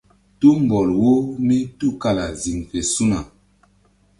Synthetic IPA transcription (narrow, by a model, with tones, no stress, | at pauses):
tu˦m˨bɔ˨lwo˦mi˦tu˦ka˦la˨zi˨ŋfe˨su˦na˨